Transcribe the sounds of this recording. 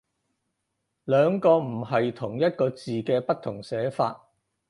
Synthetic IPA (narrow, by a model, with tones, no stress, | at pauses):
lœː˨˧ŋkɔː˧m̩˨˩ɦɐ˨jt̪ʰʊ˨˩ŋjɐ˥t̚kɔː˧t͡siː˨kɛː˧pɐ˥t̚t̪ʰʊ˨˩ŋsɛː˨˥faː˧t̚